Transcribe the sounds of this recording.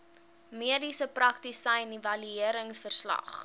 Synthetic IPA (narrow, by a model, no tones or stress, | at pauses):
miədisəprɐktisɐjnivɐlyiəɾəŋsfərslɐ̰χ